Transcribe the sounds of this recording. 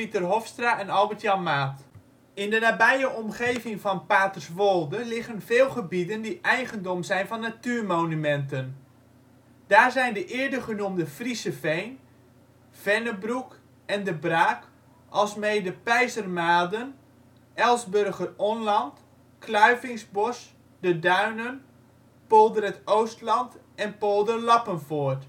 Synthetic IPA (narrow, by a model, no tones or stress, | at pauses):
pitərɦofstraʔɛnɔlˠbətjɑnmaːt | ɪndənaːbɛjəʔɔmχejvɪŋfɔnpaːtərsʋolˠdəlɪχənvɪːlˠχəbidəndiʔɛjɣəndomzɛjnfɔnːatyːrmownymɛntən | d̥aːrzɛjndəʔɪədəχənumdəfrisəfejn | v̥ɛnəbruk | ɛndəbraːk | ʔɑlˠsmeːdəpɛjzərmaːdən | ʔɛlˠsbørɣəronlɑnt | kʰlœɥvɪŋsbɔs | dədœɥnən | polˠdərətowstlɑnt | ɛnpolˠdərlɑpənfoːrt